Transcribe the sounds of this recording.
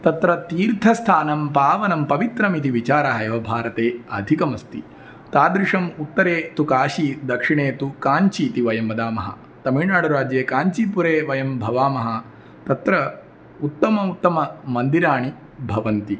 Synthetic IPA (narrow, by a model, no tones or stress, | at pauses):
t̪ɐt̪ɾɐt̪iːɾt̪ʰɐst̪ʰaːnɐmpaːʋɐnɐmpɐʋit̪ɾɐmit̪̬iʋit͡ʃaːɾaɦɐjɐʋɐbʱaːɾɐt̪eːɐd̪ʱikɐmɐst̪i | t̪aːd̪ɾiʂɐmut̪ːɐɾeːt̪ukaːʃid̪ɐkʂiɳeːt̪ukaːɲt͡ʃiːt̪iʋɐjɐmːɐd̪aːmɐɦɐ̰ | t̪ɐmiɻnaːɽɐɾaːd͡ʒjeːkaːɲt͡ʃipuɾeːʋɐjɐmbʱɐʋaːmɐɦɐ | t̪ɐt̪ɾɐ | ut̪ːɐmɐut̪ːɐmɐmɐnd̪iɾaːɳi | bʱɐʋɐnt̪i